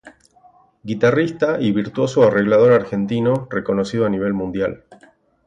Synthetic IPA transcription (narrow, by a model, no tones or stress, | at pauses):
ɡit̪arist̪aʔiβiɾt̪wo̞soare̞ɣlað̞o̞ɾaɾxe̞nt̪inoreko̞no̞siðoaniβ̞e̞lmũnd̪ja̰l